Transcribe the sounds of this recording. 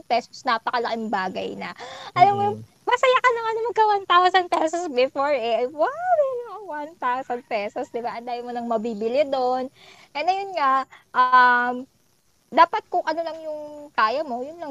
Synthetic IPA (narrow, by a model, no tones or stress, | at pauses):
pɛsosnɐpɐkɐlɐkɪŋbaːɡɐ̰jnɐ̰ʔɐlɐm | mɐsɐjakɐnɐŋʔɐnʊmɐkɐwant̪awsɐn̚pɛsosbɪfoɹɛʔwalɪjʊʔɐŋwant̪awsɐnd̪̚pɛsosd̪ɪbaʔɐnd̪aːjɐmonɐŋmɐbibɪlɪd̪onʔɛnɐjʊnŋaʔʔɐam | d̪aːpɐt̪̚kʊŋʔɐno̞lɐŋjʊŋkaːjɐmo̞jʊnlɐ